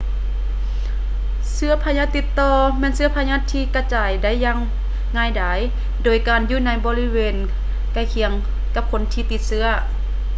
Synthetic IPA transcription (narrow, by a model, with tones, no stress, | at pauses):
sɯ˧˥ɐpʰaː˧ɲaː˧˥˨t̪ːi˧t̪ːɔː˧mɛː˧˥˨nsɯ˧ɐpʰa˧ɲaː˧˥˨t̪ʰːiː˧ka˧˩t͡ɕaː˨˩jda˧˥˨jːaː˧˥˨ŋː | aː˧˩jdaː˨˦j | doː˨˩jkaː˨njuː˧˨na˧˥jbɔː˧li˧˨weː˨n | ka˧˩jkʰi˧˩˦əŋ | ka˧˥p̚kʰo˧˦nt̪ʰiː˧˦t̪i˧˦t̪̚sɯ˧˥ɐ